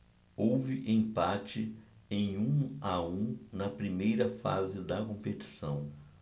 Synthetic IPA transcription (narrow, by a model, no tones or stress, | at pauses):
owvɪʔẽj̃pat͡ʃɪẽj̃ũaũnɐpɾimejɾɐfa̰zɪd̪ɐkõpet͡ʃi̥sɐ̃w̃